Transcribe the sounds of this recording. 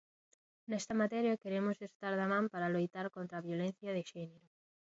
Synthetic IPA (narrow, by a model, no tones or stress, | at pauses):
nɛst̪ɐmat̪ɛɾjakeɾemosest̪aɾðamãmpaɾalojt̪aɾkont̪ɾaːβjolen̟θjɐðeʃɛneɾʊ